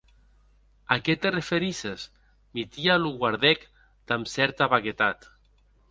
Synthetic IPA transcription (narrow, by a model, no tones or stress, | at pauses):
akɛt̪erefeɾises | mit̪ialuɣwaɾðɛk | d̪̥amsɛɾt̪aβaɣet̪at̪